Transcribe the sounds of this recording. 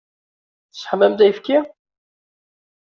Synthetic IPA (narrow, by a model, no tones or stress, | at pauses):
θə̥sħmːæmd̪æjfki